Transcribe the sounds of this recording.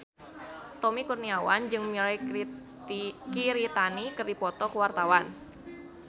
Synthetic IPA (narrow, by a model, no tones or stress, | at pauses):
t̪ɔmikurniawand͡ʒɨŋmiɾaj | kiɾit̪anikərdipɔt̪ɔkəwart̪awan